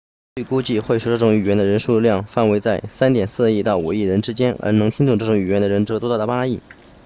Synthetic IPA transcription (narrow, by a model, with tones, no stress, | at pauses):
y˥˩ku˥t͡ɕi˥˧xwe˥˩ɪʂu˨˩ʈ͡ʂɤ˥˩ʈ͡ʂʊ˧˥ŋy˨˩ɥɛ˧˥nd̪ə˧ɻə˧˥nʂu˥˧ljɑ˥˧ŋfa˥˩nwe˧˥ɪt͡sa˥˩ɪsa˥nt̪jɛ˨˩nsɹ̩˥˧i˥˧t̪ɑ˥˩ʊṵ˨˩i˥˩ɻə˧˥nʈ͡ʂɻ̩˥t͡ɕjɛ˥nə̰˞˧˥nɤ˧˥ŋt̪ʰi˥ŋt̪ʊ˥˧ŋʈ͡ʂɤ˥˩ʈ͡ʂʊ˧˥ŋy˨˩ɥɛ˧˥nd̪ə˧ɻə˧˥nʈ͡ʂɤ˧˥t̪ɔ˥t̪ɑ˥˩ə˩pa˥i˥˩